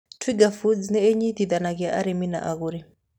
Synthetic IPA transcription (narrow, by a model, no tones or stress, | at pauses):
tʰwiɡafud͡znɛeɲiθiðanakiaʔaɾimina̰ʔaɣuɾi